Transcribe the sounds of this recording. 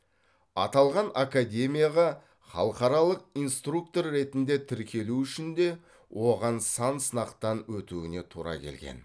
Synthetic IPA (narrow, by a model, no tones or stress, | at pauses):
ɑ̰t̪ɑlˠʁɑnakad̪ʲe̞mʲijaʁɑ | χɑ̰lˠqɑɾɑlˠəq̚ijnst̪ruk̚t̪o̞rːe̞t̪ɪnd̪e̞t̪ʰɪɾkʲʰe̞luʏʃɪnd̪e̞ | wʔo̞ʁɑnsɑnsənɑqt̪ɑnwɵt̪uɪne̞t̪ʰuɾɑ̰kʲʰe̞̰lɡʲḛn